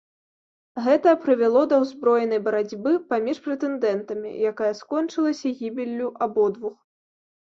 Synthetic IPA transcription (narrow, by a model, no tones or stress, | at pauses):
ɣɛt̪ɐpɾɨvʲɛlˠɔd̪ɐwzbɾɔjɛnɐjbɐɾad͡zʲbɨpamʲiʂpɾɛt̪ɛnd̪ɛnt̪ɐmʲḭjakajɐskɔnt͡ʂɨlˠɐsʲɐɣʲibʲilʲːuʔabɔd̪vux